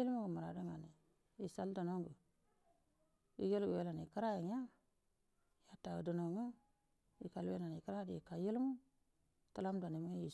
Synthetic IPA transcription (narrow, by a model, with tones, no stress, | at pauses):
i˦lmu˦ɡə˨ma˨ɾa˨do˦ŋa˨ni˨ | i˨sa˦ldo˨no˦ŋɡu˨ | i˦ji˦lɡwe˦la˨ni˨ka˦ɾa˦i˨ɲa˦ | ja˦ta˨wṵ˨də˨no˨ŋu˦ | ḭ˨ka˨lwe˦na˨n˨i˨ka˦ɾa˦di˨ka˨ji˦lmu˦ | ta˦la˦m˦da˨ni˨ma˦ji˨